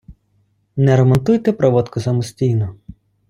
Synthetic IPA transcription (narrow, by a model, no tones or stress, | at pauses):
nɛɾɐmɔnt̪ujt̪ɛpɾɔʋɔt̪kʊsɐmɔsʲtʲijnɔ